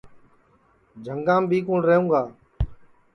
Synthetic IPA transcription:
d͡ʒʱəŋɡãːmbʱiːkuːɳɾəɦũːɡaː

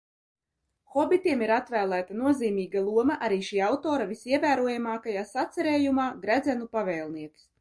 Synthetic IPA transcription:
xɔbʲit̪iɛmiɾat̪væːlˠæːt̪anuɔziːmʲiːɡalˠuɔmɐʔaɾiːʃiːawt̪oːɾavisiɛvæːɾuɔjamɑːkajaːsat̪sɛɾeːjumaːɡɾæd̪zɛnupavɛːlˠniɛt̪s

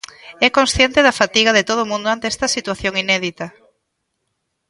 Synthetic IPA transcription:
ɛkõnsθjɛnt̪eðɐfat̪iɣɐðet̪oð̞omũnd̪oant̪eɛst̪ɐsit̪waθjoŋinɛðit̪ɐ

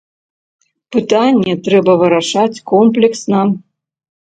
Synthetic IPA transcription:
pɨt̪anʲːɛt̪ɾɛbɐvɨɾaʂat͡sʲkɔmplʲɛksnɐ

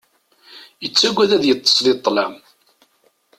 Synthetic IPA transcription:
jət͡sːæɡʷːæðæðjət̪ˤːə̥sˤlɪt̪ˤːlæm

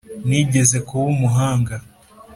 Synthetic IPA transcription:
niɟe̞ze̞kuwumuɦaːŋɡa

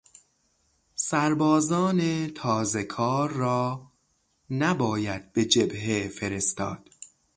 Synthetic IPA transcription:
sæɾbɒːzɒːnet̪ʰɒːzekʰɒːɾːɒː | næbɒːjæd̪̚be̞d͡ʒebɦefeɾest̪ɒ̰ːd̪̥

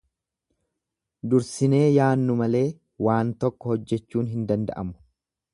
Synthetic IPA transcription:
d̪ʊɾsɪne̞ːjaːnːʊmɐle̞ː | waːnt̪ɔkːɔhɔd͡ʒːɛt͡ʃːuːnɦɪnd̪ɐnd̪ɐ̰ʔɐmʊ̥

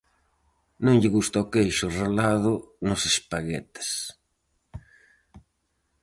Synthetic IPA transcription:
nõŋʎɪɣust̪aʊkejʃʊrelaðʊnʊsespaɣɛ̰t̪ɪ̥s

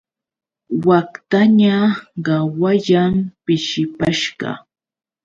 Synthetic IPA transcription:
wakt̪aɲaɢɑwaʎampɪʃɪpaʃɢɑ̰

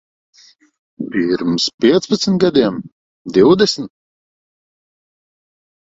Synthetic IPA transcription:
piɾmspʲiɛt̪spat̪snt̪̚ɡad̪ʲiɛm | d̪iwd̪ɛsnʲ

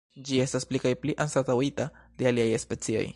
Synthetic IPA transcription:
d͡ʒie̞stasplikajpliʔansatawitad̥e̞aliajespe̞t͡sio̞̰j

